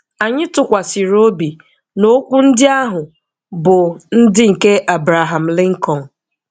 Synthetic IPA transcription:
a˨ɲɪ˦tʊ˨kʷa˨si˨ɾo˦bi˨ | no˦kʷu˦n̩˦dɪ˦a˦ɦʊ˨ | bʊ˨n̩˦dɪ˦ŋ̩˨ke˦ʔa˨bɾa˨ɦa˨m̩˨lɪ˦ŋ̩˦kɔ˨n̩˨

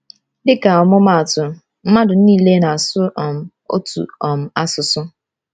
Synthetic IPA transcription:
dɪ˦ka˨ɔ˨mɔ˦ma˦˨a˨tʊ˨˦ | m̩˦ma˦dʊ˨n̩˦niː˦˨le˦na˨a˨sʊ˦ɔ˨m̩˨ | o̰˦tṵ˨ɔ˨m̩˨a˦sʊ˨sʊ˦

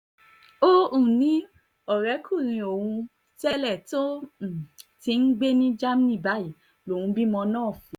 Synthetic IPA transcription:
o˦ũ˦˨nĩ˨˦ | ɔ˦˨ɾɛ˨˦kʰu˦˨ɾ̃ĩ˧o˨wũ˧ | tɛ˦lɛ˦˨to˦˨ | ti˧n̩˦ɡ͡be˦nĩ˦d͡ʒa˦m˦nĩ˦˨ba˨˦i˨ | lo˨ũ˧bi˦mɔ̃˧nãː˦˨fũ˨˦

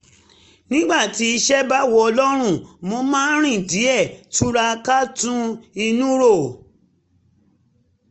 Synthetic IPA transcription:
nĩ˦ɡ͡ba˦˨ti˨˦i˧ʃɛ˦ba˦wɔ˧ɔ˧lɔ˦ɾ̃ũ˦˨mo˧mãː˦n̩˦ɾ̃ĩ˦˨di˨˦ɛ˦˨tu˦ɾa˧ka˦tũ˦i˧nũ˦ɾo˦˨

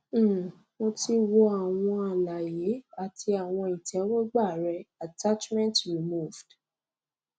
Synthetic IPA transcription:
mo˧ti˦wɔ˧˦a˨w̃ɔ̃˧a˨la˨je˨˦a˨ti˧a˨w̃ɔ̃˧i˨tɛ˨˦wɔ˦ɡ͡ba˦˨ɾɛ˧a˨ta˦t͡ʃmɛ̃˦ntɹi˨mu˦˨vd̥

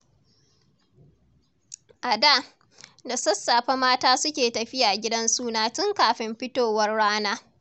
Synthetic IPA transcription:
ʔa˨da˦˨ | da˨sɐ˦sːaː˨ɸa˦maː˦taː˦sʊ˦kʲeː˨tɐ˨ɸɪ˦ja˨ɡʲɪ˦dɐ˦nsuː˦naː˦tʊ˦ŋkaː˨ɸɪ˦mɸɪ˦toː˨wɐ˦rɽaː˦naː˦

